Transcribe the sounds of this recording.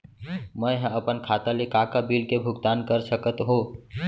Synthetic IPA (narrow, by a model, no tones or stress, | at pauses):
məjɦə̃əpənkʰat̪alekakabilkebʱuɡt̪ankəɾsəkət̪ɦõ